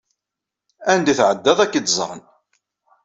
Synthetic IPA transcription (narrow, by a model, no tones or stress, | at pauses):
ænd̪iθʕəd̪ːæðˤækːəd̪zˤə̰ʁˤən